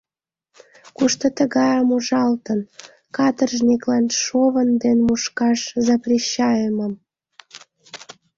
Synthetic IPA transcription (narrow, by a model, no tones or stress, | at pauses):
kuʃt̪ot̪əɣɑjəmuʒɑlt̪ən | kɑt̪ərʒniklɑnʃoβənd̪enmuʃkɑʃzɑprʲiɕːɑjəməm